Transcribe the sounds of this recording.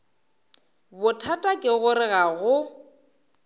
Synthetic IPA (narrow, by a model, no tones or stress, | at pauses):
bʊtʰatʼakʼɪɣʊɾɪɣaɣʊ